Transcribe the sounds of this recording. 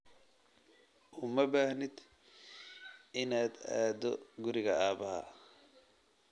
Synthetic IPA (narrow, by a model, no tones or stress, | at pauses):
ʔʊːmɐbaːhnɪd̪ | ʔɪnaːd̪aːd̪ɔɡʊɾɪɣɐaːbɐhɐ̰